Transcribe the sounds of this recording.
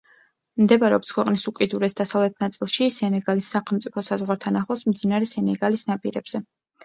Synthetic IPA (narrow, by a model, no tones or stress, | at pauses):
md̪ɛbɾɛɔp̚t̪skʰwɛqʼnisukʼid̪uɾɛsd̪asavlɛt̪ʰnat̪sʼilˠʃisɛnɛɡalisːaχɛlˠmt̪sʼipʰɔsazʁwaɾt̪ʰanaχlˠɔsmd̪zinaɾɛsɛnɛɡalisnapʼiɾɛb̥z̥ɛ